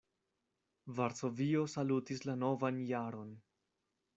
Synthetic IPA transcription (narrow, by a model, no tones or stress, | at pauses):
vaɾso̞viosalutislano̞vanjaɾo̞n